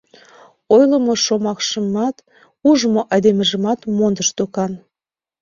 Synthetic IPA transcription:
ojlə̆moʃomɑkʃəmɑt̪ | uʒəmoʔɑjd̪emə̆ʒə̆mɑt̪mond̪əʃt̪okɑn

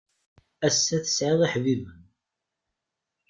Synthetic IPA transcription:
æsːæθə̥sʕɪðˤiħvivən

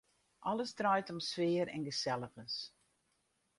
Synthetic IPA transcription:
ʔɔləsdrajtɔmsʋɪəɾɛ̰nɡəsɛlˠəɣəs

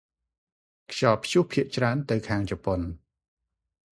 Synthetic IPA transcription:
kʰɕɑːpʰjuhpʰiəʔt͡ɕraənt̪ɨwkʰaːŋt͡ɕɔpon

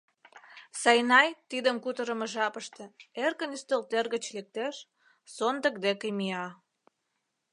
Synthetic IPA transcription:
sɑjnɑjt̪id̪əmkut̪əɾə̆mə̆ʒɑpəʃt̪ĕerkənyst̪əlt̪erɣə̆t͡ɕlek̚t̪eʃ | sond̪ə̆k̚d̪ekemiɑ

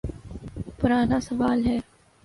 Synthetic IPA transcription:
pʊɾaːnaːsɐʋaːlɦɛː

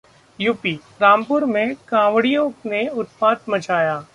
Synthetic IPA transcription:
juːpi | ɾãːmpʊɾmẽkãːʋɽijõneʊt̪̚paːt̪mɐt͡ʃaːjaː

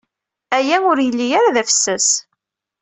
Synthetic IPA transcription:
æjæʊɾjəlːijaɾaðæfə̥sːæs

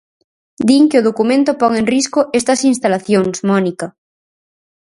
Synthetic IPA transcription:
d̪iŋkeoð̞okumẽnt̪opɔŋẽŋriskoʔest̪ɐsinst̪alaθjoŋsmɔnika

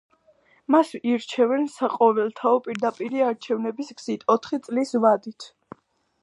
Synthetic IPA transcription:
masiɾt͡ʃʰɛvɛnsaqʼɔvɛlˠt̪ʰaɔpʼiɾd̪apʼiɾiaɾt͡ʃʰɛvnɛbisɡz̥it̪ʰɔt̪ʰχit̪sʼlisvad̪it̪ʰ

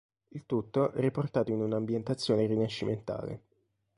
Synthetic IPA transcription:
ilt̪ut̪ːoʔɛɾiport̪aːt̪oinunambjent̪at̪sːjoːneɾinaʃːiment̪a̰ːlḛ

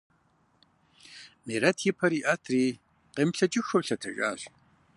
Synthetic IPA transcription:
meːɾɐtʰjɪpʰɐɾiːʔɐtʰriː | qemɬɐt͡ʃʼɪxɐwɬɐtʰɐɕʼa̰ːɕ

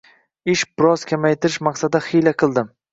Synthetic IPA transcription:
ɪʃbɪɾɒz̥kʲʰamajt̪ʰɪɾɪʃmaqsad̪aχɪjlaqʰɨlˠd̪ɪm

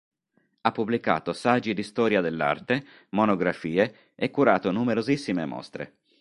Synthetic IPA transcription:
apːublika̰ːt̪osad͡ʒːid̪ist̪ɔːɾjad̪elːa̰rt̪e | monoɡɾafiːe | ekːuɾaːt̪onumeɾozisːimemɔ̰st̪ɾḛ

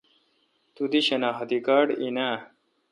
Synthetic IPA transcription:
t̪ud̪iɕɐnaːɦɐt̪ikaɖina

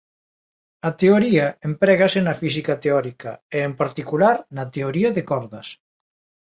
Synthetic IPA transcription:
ɐt̪eoɾiaempɾɛɣɐsenɐfis̬ikɐt̪eɔɾika̰eempaɾt̪ikulaɾnɐt̪eoɾiɐðekɔɾðɐs

